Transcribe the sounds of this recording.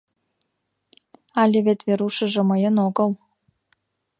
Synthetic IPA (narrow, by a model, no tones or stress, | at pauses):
ɑlʲeβet̪βeɾuʃə̆ʒĕmɤjənoɣɤ̆l